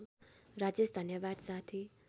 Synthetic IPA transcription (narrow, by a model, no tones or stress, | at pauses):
rad͡zesd̪ʱʌnjʌbad̪sat̪ʰi